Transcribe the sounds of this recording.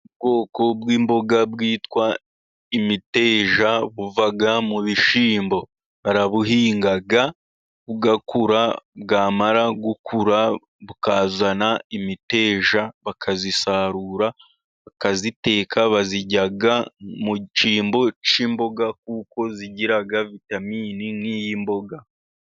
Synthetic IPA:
ubɡo̞ːko̞bɡiːmbo̞ɡabɡiːtwa | imite̞ːʒaβuvaɡamuβiʃiːmbo̞ | βaɾaβuhiːŋɡaɡa | βuɡakuɾab̚ɡaːmaɾaɡukʰuɾa | βukaːzanaimite̞ːʒaβakʰazisaɾuɾa | βakazite̞ːkʰaβaziɟaɡamut͡ʃiːmbo̞t͡ʃiːmbo̞ɡak̚uːko̞ziɟiɾaɡavitamiːninijimbo̞ɡa

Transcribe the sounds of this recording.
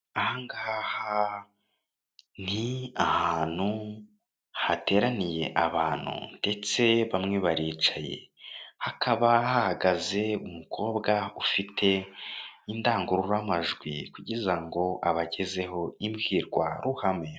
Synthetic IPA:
ahaŋɡahaha | n̥iahaːn̥hu | hate̞ːɾanije̞̰ʔaβaːn̥hṵnde̞t͡se̞βamŋe̞βaɾiːt͡ʃaje̞̰hakʰaβahahaɡaze̞umukʰo̞ːbɡaufitʰe̞ | indaːŋɡuɾuɾamaʒɡwikuɟizaŋɡo̞ʔaβaɟe̞ze̞ho̞imbɡiːɾɡwa̰ɾuhamŋe̞

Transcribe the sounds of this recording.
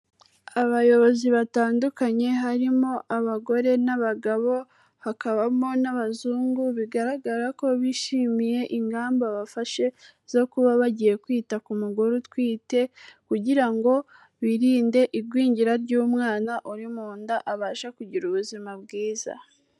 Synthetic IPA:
aβajo̞βo̞ziβataːndukaɲe̞ɦaɾimo̞ʔaβaɡo̞ɾe̞naβaɡaβo̞ | hakaβamonaβazuːŋɡuβiɡaɾaɡaɾako̞βiʃimije̞ʔiŋɡaːmboβafaʃe̞ | z̥o̞kuβaβaɟije̞kwiːtakumuɡuɾutwiːte̞kuɟiɾaŋɡo̞ | βiɾiːnde̞ʔiɾɡwiːɲɟiɾaɾɟuːmŋaːnaʔuɾimuːndaʔaβaːʃakuɟiɾuβuzimab̚ɡiːza̰

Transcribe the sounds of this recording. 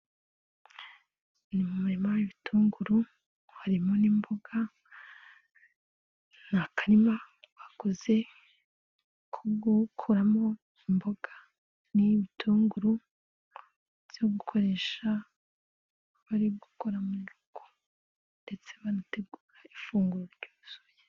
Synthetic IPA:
nimumaɾimaiβitʰuːŋɡuɾu | haɾimo̞nimbo̞ɡ̥a | nakʰaɾimaβakoze̞ | kʰuɡukʰuɾamo̞ | imbo̞ɡ̥a | niβitʰuːŋɡuɾu | v̥joɡukʰo̞ɾe̞ʃa | βaɾiɡukoɾamuɡuɡo | nde̞t͡se̞βanate̞ɡuːɾaifuːŋɡuɾuɾɟoːuzoje

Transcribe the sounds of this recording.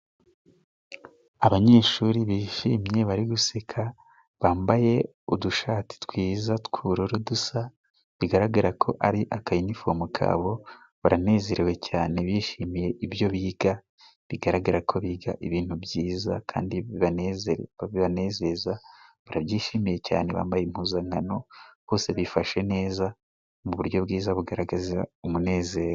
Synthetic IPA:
aβaɲe̞ːʃuɾiβiːʃiːmɲe̞βaɾiɡusekʰa | βaːmbaje̞ | uduʃaːti̥twiːzatkʰuɾoɾodusa | βiɡaɾaɡaɾakʰo̞̰ʔaɾiʔakajinifomukʰa̰ːβo̞ | βaɾane̞ːze̞ɾewe̞caːne̞βjiːʃiːmije̞ʔibjo̞βiːɡa | βiɡaɾaɡaɾakʰo̞βiːɡaʔiβiːn̥hubjiːza̰kʰa̰ːndiiβaezβiβane̞ːze̞zaβaɾaβjiːʃiːmije̞ca̰ːneβa̰ːmbajem̥huːzaŋano̞β̥o̞ːse̞βifaʃe̞ne̞ːza | muβuɾɟo̞βɡiːzaβuɡaɾaɡazia̰umune̞ːze̞ːɾo

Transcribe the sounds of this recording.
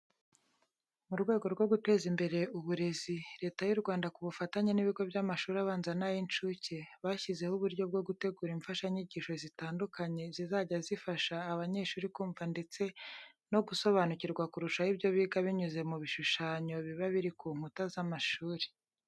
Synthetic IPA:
muɾɡwe̞ːɡo̞ɾɡwo̞ɡute̞ːzimbe̞ɾe̞uβuɾe̞ziɾe̞ːtajuɾɡwaːndakuβufataɲeniβiɡo̞bjamaʃuːɾiaβaːnzanajint͡ʃuceβaːçize̞huβuɾjo̞b̚ɡo̞ɡute̞ɡuːɾiɱfaʃaiɲiɟiːʃo̞zitaːndukaɲe̞zizaːɟazifaʃaːβaɲe̞ʃuːɾikuːɱvande̞t͡se̞ | no̞ɡuso̞βanuciɾɡwakuɾuʃahibjo̞βiːɡaβiɲuze̞muβiʃuʃaːɲo̞βiβaβiɾikuːŋ̥hutazamaʃuːɾe̥

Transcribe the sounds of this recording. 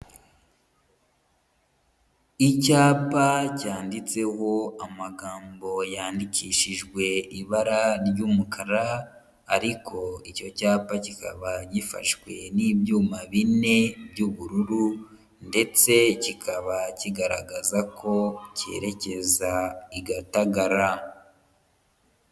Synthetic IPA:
icaːpacaːndit͡se̞ho̞amaɡaːmbo̞jaːndikiʃiʒɡwe̞iβaɾaɾɟuːmukʰaɾaː | ɾiko̞ico̞caːpacika̰βaɟifa̰ʃwe̞nibjuːmaβine̞bɟuβuɾuɾu | nde̞t͡se̞cikʰaβaciɡaɾaɡazakʰo̞ce̞̰ɾe̞ce̞zaiɡataɡaɾa

